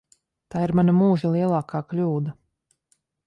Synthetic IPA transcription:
t̪aːiɾmanamuːʒilˠiɛlˠaːkaːklʲuːd̪a

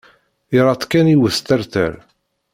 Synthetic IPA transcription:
iɾˤɑt̪ˤkæniwəθt̪æɾθə̰ɾ

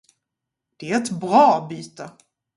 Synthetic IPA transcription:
d̪̥ɛæɾɛt̪bɾɑːbyːt̪ə

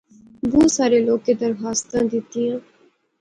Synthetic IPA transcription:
boːsaːɾeːloːkeːd̪əɾɦaːst̪ãːd̪ɪt̪ːiːãː

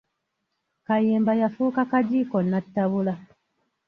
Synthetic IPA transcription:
kajembajafukakaɟikɔnːatːaβula

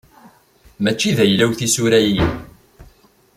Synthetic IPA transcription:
mæt͡ʃːiðæjlæwθisuɾæji

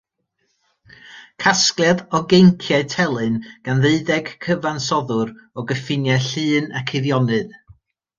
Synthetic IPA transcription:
kʰasklˠjaðɔɡejŋkʰjɛtʰɛlˠɨnɡ̥anðeɨðɛɡ̥kʰəvansɔðʊɾɔɡəfɪnjɛɬɨːnakʰɪðjɔnɨð

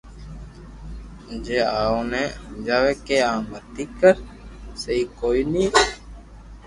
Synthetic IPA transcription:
d͡ʒeːaːõnɛːd͡ʒaːʋeːkeːaːmbət̪iːkəɾ | seiːkoːiniː

